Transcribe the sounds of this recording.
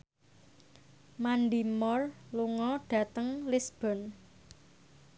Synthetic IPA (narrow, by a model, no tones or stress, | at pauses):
manɖimɔrluŋɔɖ̥ä̤t̪əŋlɪsb̥ɔn